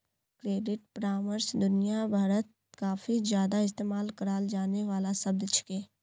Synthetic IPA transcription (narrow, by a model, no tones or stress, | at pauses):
kɾeːɖɪʈ̚pɾaːməɾsd̪ʊnijabʱaːɾət̪̚ | kaːfizjaːd̪aɪs̬t̪eːmaːlkəɾaːld͡ʒaːneʋaːlasɐb̚d̪t͡ʃʰʊ̥keː